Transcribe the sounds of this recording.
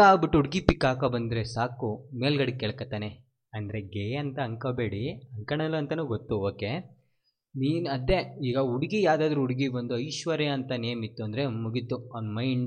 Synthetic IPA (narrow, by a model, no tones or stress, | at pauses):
aːɡbiʈːuuɽiɡipikːaːkɐbɐnd̪ɾesaːkumeːlɡɐɽikːɛɭkɐt̪ːaːne | ɐnd̪ɐɾeɡeːɐnt̪ɐːŋkɐbe̞ːɽiɐŋkɐɳɐlɐnt̪ɐnuːɡot̪ːuoːkːe | niːnɐd̪eiːɡɐuɽiɡijaːd̪aːd̪ɾuuɽiɡibɐnd̪uɐjʃʋɐɾeɐnt̪ɐneːmit̪ːuɐnd̪ɐɾemuɡit̪ːuɐːnmɐjɳɖ